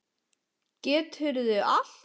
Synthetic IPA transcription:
cɛːt̪hʏɾðʏʔal̥

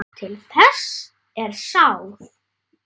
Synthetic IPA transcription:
t̪ʰɪlθɛs | ɛɾ̥sawθ

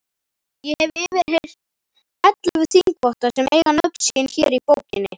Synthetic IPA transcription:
jɛhɛvɪɪvɪɾheɾ | ɛt̪laɣʏθiŋkʰvɔht̪asɛmḛjɣanœp̪siɪnçɛɾipowcɪnːɪ

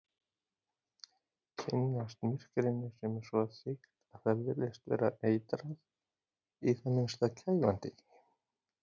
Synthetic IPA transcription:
cʰɪnːast̪mɪr̥kɾɪnːɪ̥sɛmɛɾ̥svɔθɪk̪ | aθaɾvɪɾlejst̪vɛ̰ːɾaeːjt̪ɾað | iθanːʏmst̪acʰajvant̪ɪ

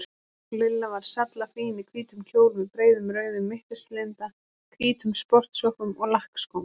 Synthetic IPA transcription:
klɪlːavaɾ̥sat̪lafiːnɪkʰviːt̪ʏmcʰoːwlmɪpɾeːjðʏmɾœːɥðʏmːɪht̪ɪst̪lent̪a | kʰviːt̪ʏmspɔr̥t̪sɔhkʏmɔɣlahkskowm

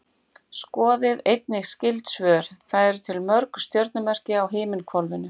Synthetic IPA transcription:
skɔːðɪðejt̪nɪxscɪlt̪svœːɾ̥θaðɛɾ̥t̪ʰɪlmœɾkst̪jœwɾt̪nʏmɛr̥cɪawɦeːmɪnkʰvɔlvʏnʏ

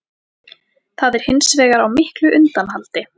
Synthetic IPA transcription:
θaðɛɾ̥hɪnsvɛːɣaɾawmɪhklʏʔʏnt̪anhalt̪ɪ

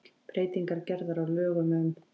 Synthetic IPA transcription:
pɾeːjt̪iŋkaɾcɛɾðaɾawlœːɣʏmɛðʏm

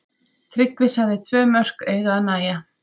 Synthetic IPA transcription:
θɾɪkvɪsaɣðɪt̪ʰvœːmœr̥kejɣaðnaːja

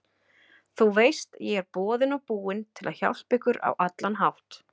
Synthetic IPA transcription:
θuwvejst̪jɛɛɾpɔːðɪnɔɣpuːɪnt̪ʰɪlʔaðça̰wl̥spɪkʏɾa̰wʔat̪lanɦawht̪

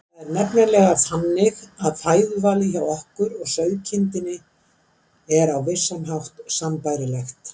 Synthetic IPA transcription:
θaðɛɾnɛpnɛɾlɛɣafanːɪɣaðfaːjðʏvaːlɪçawɔhkʏɾɔɣsœɥðcʰɪnt̪ɪnɪ | ɛɾawvɪr̥samɦawht̪sampajɾɪlɛxt̪

